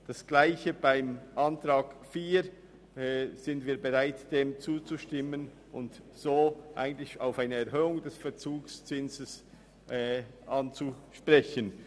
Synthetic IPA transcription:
d̥asɡ̥laɪçəb̥aɪmʔantʁaːkfiː | z̥ɪndviːɐbəʁaɪtd̥eːmt͡suːt͡suʃtɪmən | ʔʊnt | z̥oːʔa̰ɪɡən̩tlɪçaʊfaɪnəɛɐhøːʊŋdɛsfɛɐt͡suːkst͡sɪnzəs | ʔːʔant͡suʃpʁɛçən

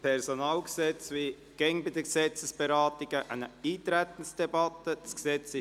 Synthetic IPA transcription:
pʰɛɾsonɑːlɡəsɛt͡svi | ɡ̥ɛŋbɪd̪əɡsɛt͡səsb̥əɾɑːt̪ɪɡ̥əʔæɪnəiːt̪ɾæt̪ən̩sd̥ɛbɑt̪əd̥ɑsksɛt͡sɪ

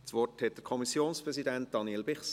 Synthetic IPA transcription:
t͡sʋɔrthɛt̚d̥əkʰɔmisjoːnspɾɛsidænt̚d̥ɑnilbɪχs

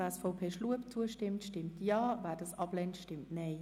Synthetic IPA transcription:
ɛsfɑʊpʰeːʃluəpt͡suəʃtɪmtʃtɪmtʰjaːvɛːdɑsɑblɛntʃtɪmtneɪ

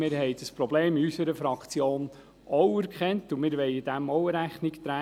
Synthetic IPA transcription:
mɪːɾhɛɪd̥əspɾɔbleːmiysəɾəfɾɑkt͡sjoːn | ɔwæɾkʰχɛntumɪːɾʋɛjɪdæmɔʊəɾæχnɪkt̪ɾæ

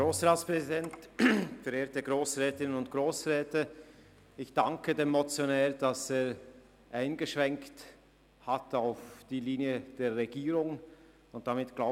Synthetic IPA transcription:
ɡʁoːsʁaːtspʁ̥ɛzidɛntfɛɾeːɐtəɡʁoːsʁɛːtɪnənʊntɡ̥ʁoːsʁɛːtə | ɪçd̥aŋkədeːmːot͡sjonɛːd̥ɑseːʁ | ʔaɪnɡəʃv̥ɛŋkt | hatʰaʊfd̥iːliːnjəd̥eːɐʁːeɡiːʁʊŋ | ʊnt̚d̥amɪtɡ̥laʊ

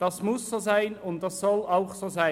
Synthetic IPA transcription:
d̥ɑsmʊssoːzaɪnʊnt̚d̥ɑsːɔlaʊχsoːzaɪ

